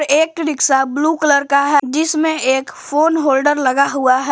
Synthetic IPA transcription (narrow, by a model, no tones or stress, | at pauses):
ɾeːk̚ʈɾɪksabluːkələɾkaɦɛd͡ʒɪsmẽeːkfoːnɦoːlɖəɾlɐɡaɦʊaɦɛ